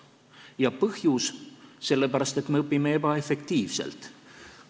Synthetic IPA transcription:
jɑpɤhjusse̞lːepæɾɑst̪e̞t̪ːˑmeɤpːimeebɑe̞fe̞kt̪iːvse̞̰lt̪ˑ

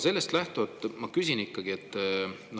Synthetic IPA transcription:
se̞lːe̞st̪læht̪uvɑt̪ːˑmɑkysinikːɑɡ̥iet̪ːno

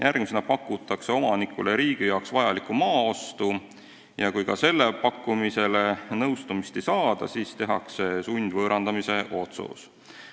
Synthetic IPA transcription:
jʔærɡ̥misenɑpɑkːˑut̪ːˑɑkse̞o̞mɑnikːˑuleɾiːɡ̥ijɑwksvɑjɑlikumɑːo̞st̪u | jɑkujkɑ̰se̞lːe̞pɑkːˑumise̞lenɤwst̪umist̪e̞jsɑːd̪̥ɑ̰siːst̪e̞ɦɑ̰kse̞sunʲd̪̥vɤːɾɑnd̪̥ɑmise̞ʔo̞t̪sṵs

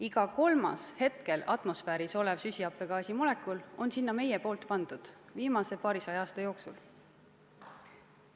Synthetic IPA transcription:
iɡ̥ɑko̞lmɑ̰she̞t̪ke̞lɑ̰t̪ˑmo̞sfæːɾiso̞levsysʲiɑpːˑe̞kɑːsimule̞kːˑulo̞nsinːɑme̞jepo̞ːlt̪pɑnd̪̥ud̪̥viːmɑse̞pɑːɾisɑjɑːst̪ɑjo̞ːksul

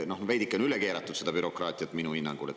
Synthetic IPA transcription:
nohnvejd̪ikːˑeonyleke̞ːɾɑt̪ːˑud̪̥se̞d̪ɑb̥yɾo̞kˑrɑːt̪ʲˑijɑt̪ːˑminuhinːɑŋɡ̥ṵle

